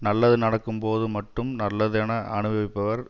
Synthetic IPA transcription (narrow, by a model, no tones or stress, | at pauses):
nɐlːɐðɯnɐɽɐkːɯmpoːðɯmɐʈrɯmnɐlːɐðɛnɐʔɐɳɯʋɐʋɪpːɐʋɐɾ